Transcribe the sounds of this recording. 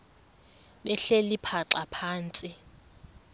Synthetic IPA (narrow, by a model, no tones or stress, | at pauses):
ɓɛɬelipʰaǁapʰaːnt͡sʼi